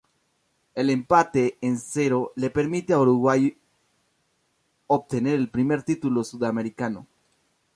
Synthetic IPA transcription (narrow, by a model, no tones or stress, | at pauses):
e̞lempat̪e̞ːnse̞ɾo̞le̞pe̞ɾmit̪eauɾuɣwaj | oβt̪e̞ne̞ɾe̞lpɾime̞ɾt̪it̪ulo̞suðame̞ɾikano̞̰